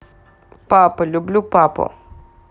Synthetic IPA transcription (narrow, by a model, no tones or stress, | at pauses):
papəlublupapo̰